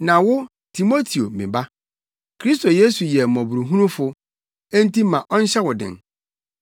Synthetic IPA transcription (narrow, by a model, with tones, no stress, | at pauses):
nã˨wʊ˦ | tʰi˨mo˦tʰi˨o˨mɪ̃˨ba˦ | kʰɾi˦s̬tʰo˨je˦su˨jɛ˨mɔ̃˨bu˨ɾu˨ɦũ˦nũ˦fʊ˨ | ẽ˦n˦ti˦mã˨ʔɔ˦n̩˦ɕɛ˦wʊ˨dɪ̰̃˨n